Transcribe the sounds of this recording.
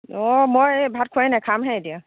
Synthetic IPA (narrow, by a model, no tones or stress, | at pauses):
ɔmɔjbʱat̚kʰanajkʰamɦɛ̃edia